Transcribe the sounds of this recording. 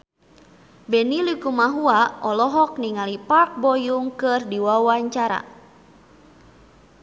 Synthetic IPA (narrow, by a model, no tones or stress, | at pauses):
bɛnilikumaɦuaʔɔlɔɦɔk̚niŋalipak̚bɔjuŋkɨrdiwawaɲt͡ʃaɾa̰